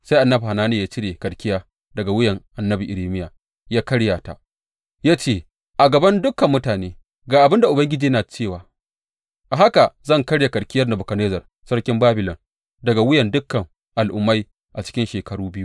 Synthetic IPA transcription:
sa˦jʔa˨nːɐ˦bha˨naː˦neː˨jaː˦t͡ʃɪ˦ɾeː˨kɐ˨ɽkʲɪ˦jaː˦ | dɐ˨ɡa˨wʊ˦jɐ˨ŋʔa˨nːɐ˦bi˨ʔɪ˨ɾeː˦mɪ˦jaː˨ | jaː˦kɐ˦ɽjaː˨ta̰˨ | jaː˦t͡ʃeː˦˨ | ʔa˨ɡɐ˨bɐ˦ndʊ˦kːɐ˨mːʊ˦taː˨neː˦ | ɡaː˨ʔa˨bɪ˦nda˨ʔʊ˨bɐ˦ŋɡʲɪ˦d͡ʒiː˨jnaː˨t͡ʃeː˦˨waː˨ | ʔa˨ɦa˦ka˨zɐ˦ŋkɐ˦ɽja˨kɐ˨ɽkʲɪ˦jɐ˦rna˨bʊ˨kɐ˨neː˦zɐ˨r | sɐ˦ɽkʲɪ˦mbaː˦bɪ˨lɔ˨n | dɐ˨ɡa˨wʊ˦jɛ˨ndʊ˦kːɐ˨ŋ | ʔa˨lʔʊ˨mːa˦j | ʔa˨t͡ʃɪ̥˦kʲɪ˦nʃeː˨kɐ˨ɽuː˦bɪ˦ju˦

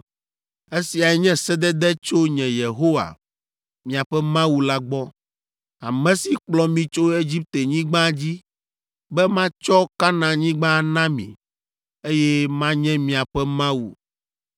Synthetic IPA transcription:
e˦si˨a˨ɛ˨˦ɲɛ̃˦sɛ˦d̪ɛ˦d̪ɛ˦t͡ʃo˦ɲɛ̃˨je˨ɦo˦wa̰˨ | mĩ˨a˨ɸɛ˦mã˦wu˨la˦ɡ͡bɔ˦ | a˨mɛ̃˦si˨k͡plɔ˦mĩ˨t͡ʃo˦e˦d͡ʑi˦p̚t̪e˨ɲĩ˦ɡ͡bã˦d͡ʑi˦ | bɛ˦mã˦t͡ʃɔ˦ka˦nã˨ɲĩ˦ɡ͡bã˦˨nã˦mḭ̃˨ | e˦jɛ˦mã˦ɲɛ̃˦mĩ˨a˨ɸɛ˦mã˦wṵ˨

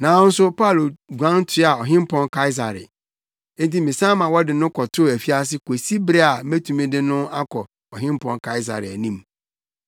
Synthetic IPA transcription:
nã˨˦n̩˦sʊ˦pʰa˦˨lɡʷã˦n˦tʰɪ˦a˨ɔ˨ɦɪ̃˦m˦pʰɔ̃˦nkʰa˦ɪ˦s̬a˨ɾɪ̰̃˨˦ | nti˦mĩ˨sã˦mã˨wɔ˦dɪ˨nʊ̃˦kʰɔ˨tʰʊ˦˨æ˨fi˦a˦s̬ɪ˦kʰo˨si˦bɾɛ˦a˨mæ˦tʰũ˨mĩ˦dɪ˦nʊ̃˦a˦kʰɔ˨ | ɔ˨ɦɪ̃˦m˦pʰɔ̃˦nkʰa˦ɪ˦s̬a̰˨ɾɪ̰˨æ˨nĩ˦m

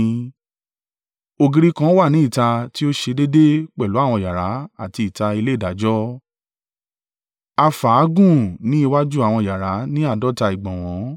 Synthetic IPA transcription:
o˧ɡi˧ɾi˦kã˦wa˦˨nĩ˨˦i˦˨ta˧ti˦o˦ʃe˧de˦de˦k͡pɛ˦˨lu˨˦a˦˨w̃ɔ̃˧ja˨ɾa˨˦a˦˨ti˧i˨ta˧i˧le˦i˦˨da˨˦d͡ʒɔ˦ | a˧fa˨˦ɡũ˦˨nĩ˨˦i˧wa˦d͡ʒu˦a˨w̃ɔ̃˧˨ja˨ɾa˨˦nĩ˦a˦˨dɔ˦ta˧i˨ɡ͡bɔ̃˨w̃ɔ̃˨˦

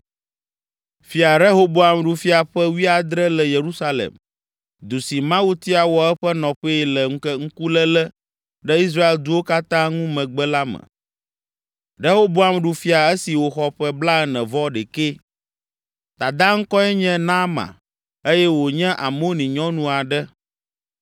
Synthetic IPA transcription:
fi˦a˨ɾe˦ɦo˦bo˦a˨mɖu˨fi˦a˨ɸɛ˦wi˦a˨d̪ɾɛ˦lɛ˨je˨ɾu˦sa˦lḛ˨m | d̪u˨si˨mã˦wu˦t̪i˦a˨wɔ˨ɛ˦ɸɛ˦nɔ̃˨ɸɛ˦lɛ˨ŋ̩˦kɛ˦ŋ̩˦ku˦lɛ˦lɛ˦ | ɖɛ˦i˦s̬ɾa˦e˨ld̪u˦wo˦ka˦t̪ã˦ŋũ˦mɛ̃˨ɡ͡bɛ˦la˦mɛ̰̃˨ | ɾe˦ɦo˦bo˦a˨mɖu˨fi˦a˨e˦si˨wo˨xɔ˦ɸɛ˦bla˦ɛ˦nɛ̃˨vɔ˦ɖɛ˨ke˦ | t̪a˨d̪ã˦ŋ̩˦kɔ˦ɛ˦ɲɛ̃˦nã˦mã̰˨ | e˦jɛ˦wo˨ɲɛ̃˦ʔa˨mo˦nĩ˨ɲɔ̃˦nũ˦a˨ɖɛ˦

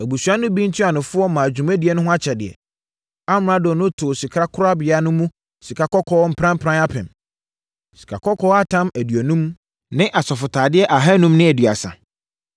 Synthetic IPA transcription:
æ˨bu˨su˨a˦nʊ̃˦bĩ˦n̩˦tʰu˦a˨nʊ̃˨fʊ˦ɔ˦mã˨d͡ʑᶣũ˨mæ˦di˨ɛ˨nʊ̃˦ɦʊ̃˦a˦t͡ɕʰɛ˨dɪ̰˨ɛ̰˨ | a˦m˨ã˦dʊ˨nʊ̃˦tʰʊ˨si˨kʰɾa˦kʰʊ˦ɾʊ˦a˦bɪ˨a˦nʊ̃˦mũ˦ | si˨kʰa˨kɔ˦kʰɔː˦m̩˦pʰɾã˦m̩˦pʰɾã˦na˦pʰɪ̃˨m | si̥˨kʰa˨kʰɔ˦kʰɔː˦a˦tʰã˦mæ˨dɥæ˨nũ˦m | nɪ̃˦ʔa˨sɔ˨fʊ˨tʰaː˨dɪ˦ɛ˦ʔa˨ɦa˦nũ˦mnɪ̃˦æ˨dɥa̰˨sã̰˨

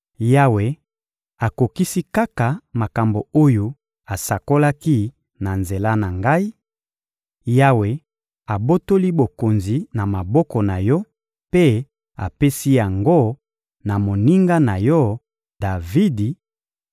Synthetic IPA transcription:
ja˦we˨ | a˨ko˨ki˦si˦ka˦ka˨ma˨ka˨mbo˨o˦jo˨ | a˨sa˨ko˦la˦ki˦ | na˨nze˨la˦na˨ŋɡa˦i˦ | ja˦we˨ | a˨bo˦to˦li˦bo˨ko˨nzi˨na˨ma˨bɔ˦kɔ˨na˨jɔ˦ | pe˦ | a˨pe˦si˦ja˨ŋɡo˦ | na˨mo˨ni˦ŋɡa˦na˨jɔ˦ | da˨vi˦di˨

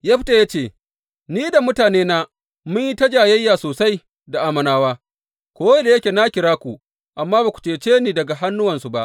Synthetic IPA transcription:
jaː˦ɸɪ˦ta˨jaː˦t͡ʃeː˦˨ | niː˦da˨mʊ˦taː˨neː˦naː˦ | mʊ˦ɲji˦ta˦d͡ʒaː˨jɐ˦jːaː˨soː˨sa˦j | da˨ʔa˦mɐ˨naː˦waː˦ | kʷoː˦we˦da˨je˦kʲe˨na˦kʲɪ˨ɾaː˦kʷu˨ | ʔa˨mːaː˦baː˨kʷu̥˨t͡ʃeː˨t͡ʃeː˦niː˦˨dɐ˨ɡa˨ɦa˦nːʊ˦wɐ˨nsu˨ba˦ʔ

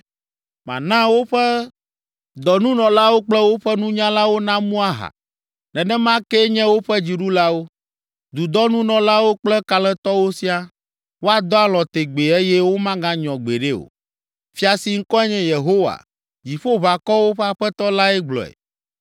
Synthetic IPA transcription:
mã̰˨nã˦wo˦ɸɛ˦ | d̪ɔ˨nũ˦nɔ̃˨la˦wo˦k͡plɛ˦wo˦ɸɛ˦nũ˦ɲã˦la˦wo˦nã˦mũ˦a˦ɦa̰˨ | nɛ̃˨nɛ̃˦mã˦kɛ˦ɲɛ̃˦wo˦ɸɛ˦d͡ʑi˨ɖu˦la˦wo˦ | d̪u˨d̪ɔ˦nũ˦nɔ̃˨la˦wo˦k͡plɛ˦ka˨lɛ̃˦t̪ɔ˦wo˦si˦a˦ | wo˦a˦d̪ɔ˦a˦lɔ̃˨t̪e˨ɡ͡be˨e˦jɛ˦wo˦mã˦ɡã˦ɲɔ̃˨ɡ͡be˨ɖe˦o̰˨ | fi˦a˨si˨ŋ̩˦kɔ˦ɛ˦ɲɛ̃˦je˨ɦo˦wa̰˨ | d͡ʑi˨ɸo˦βa˨kɔ˦wo˦ɸɛ˦a˨ɸɛ˦t̪ɔ˦la˦ɛ˦ɡ͡blɔ̰˨ɛ̰˨

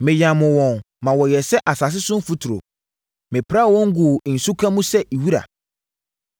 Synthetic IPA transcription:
mɪ̃˨jã˨mʊ̃˨wɔ̃˨n | mã˨wɔ˨jɛ˨sɛ˦ʔa˨sa˨s̬ɪ˦sʊ̃˦n˦fu˦tʰʊ˨ɾo̰˨ | mɪ̃˨pʰɾa˦˨wɔ̃˦ŋ̩˦ɡʊ˨n̩˨su˦kʰã˦mũ˦sɛ˦ʔi˨wi˦ɾa̰˨

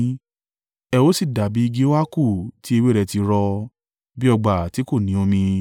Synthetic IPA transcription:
ɛ˧wo˦si˦˨da˨bi˨˦i˧ɡe˦wa˦ku˦˨ti˨˦e˧we˦ɾɛ˧ti˧ɾɔ˧ | bi˦ɔ˧˨ɡ͡ba˨ti˨˦ko˦˨nĩ˨˦o˧mĩ˧

